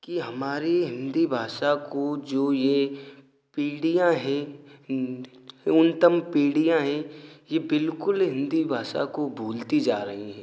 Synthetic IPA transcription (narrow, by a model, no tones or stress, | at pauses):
kiɦɐmaːɾiɦɪ̃nd̪ibʱaːʃakod͡ʒoːje | piːɽijãɦɛ̃ | ʊnt̪əmpiːɽijãɦɛ̃jebɪlkʊlɦɪ̃nd̪ibʱaːʃa̰kobʱuːlt̪id͡ʒaːɾɐɦiɦɛ̃ː